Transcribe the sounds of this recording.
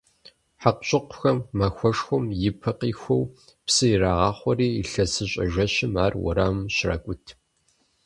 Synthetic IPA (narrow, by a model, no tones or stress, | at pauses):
ħaqɕʼɪqʷʊxɐmːɐxʷɔʂxʷʊmjɪpʰɐqiːxʷɔw | psɨjɪraːʁɑːχʷɔriːiɬɐsɨɕʼɐ̰ʒʷɐʃɪmaːrwɔ̰ɾaːmɕrɐ̰kʷʼʊtʰ